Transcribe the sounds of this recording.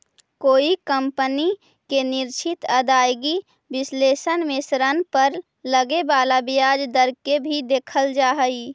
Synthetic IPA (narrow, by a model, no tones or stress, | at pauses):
koːikəmpəni | kenɪɾt͡ʃʰɪt̪əd̪aːjɡi | bɪsleːsənmesɾənpəɾ | ləɡebaːlabijad͡ʒd̪əɾkebʱid̪eːkʰəld͡ʒaːɦəi